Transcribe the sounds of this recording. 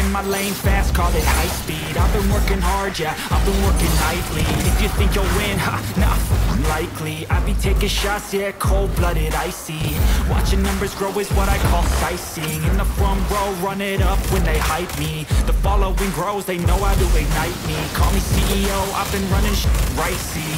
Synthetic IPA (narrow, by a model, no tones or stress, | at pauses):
ɨ̃nmaɪlẽɪ̃ɱfæst̚kʰɔlˠɨt̚haɪspiɾaɪvbɨ̃nwɜ˞kɪ̃ŋhɑɹd͡ʒæaɪvbɨ̃nwɜ˞kɪ̃ŋlaɪtˡliɪfjɨθɪ̃ŋkjəlˠwɪ̃nnʌ̃nlaɪkʰliaɪbɨ̃ntʰeɪkɨʃasjɛkʰoʊlˠblʌɾɪɾaɪsiwɑ̰t͡ʃɪ̃ŋnʌ̃mbə˞zɡɹoʊɨzwʌɾaɪkʰɔlˠsaɪsɪ̃ŋɨ̃nðəfɹʌ̃mbɹoʊɹʌ̃nɪɾʌp̚ʰwɨ̃nðeɪhaɪt̚mi | ðəfɑlˠoʊɪ̃ŋɡɹoʊzðeɪnoʊaʊdɨeɪnaɪt̚mikʰɔlˠmisiʔioʊʔa̰ɪvbɨ̃nɹʌnɪ̃ŋɹaɪsi